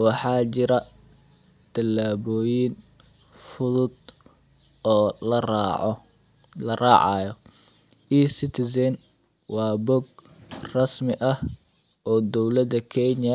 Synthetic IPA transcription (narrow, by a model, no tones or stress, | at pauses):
wɑħɑːt͡ʃɪɾɐ | t̪ʰɐlːaːβɔːjin | fʊðʊd̪ | ɔːlɐ | lɐrɑːʕɑ̰ːjɔ | iːsɪt̪ʰɪsɛn | wɑːbɔɡ | rɑsmɪʔɐh | ʔɔːd̪ɔwlɐd̪ɐkʰɛnjɐ